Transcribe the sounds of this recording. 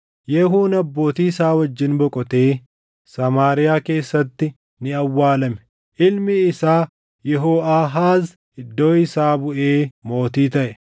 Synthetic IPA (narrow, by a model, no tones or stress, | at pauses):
jɛɦuːnɐbːo̞ːt̪iːsaːwɐd͡ʒːɪnbɔkʼɔt̪e̞ː | sɐmaːɾɪjaːke̞ːsːɐt̪ːɪ | nɪɐwːaːlɐmɛ̥ | ʔɪlmɪɪsaː | jɛɦoːʔaːɦaːz | ʔɪd̪ːo̞ːɪsaːbʊʔe̞ːmo̞ːt̪iːt̪ɐʔɛ